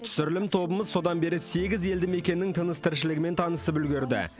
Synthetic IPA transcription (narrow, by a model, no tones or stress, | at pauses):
t̪ʰʏ̥sʏɾɪlɪmt̪ʰo̞bəməzso̞d̪ɑnbe̞ɾɪse̞ɡʲɪze̞ld̪ɪme̞kʲe̞nɪːɪŋt̪ʰənəst̪ʰɪɾʃɪlɪɡʲɪme̞nt̪ʰɑnəsəpʏlɡʲɪɾd̪ɪ̰